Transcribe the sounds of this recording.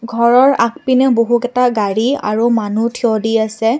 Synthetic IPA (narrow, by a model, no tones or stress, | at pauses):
ɡʱɔɹɔɹak̚pinɛboɦukɛtaɡaɹia̰ɹumanutʰiɔdiasɛ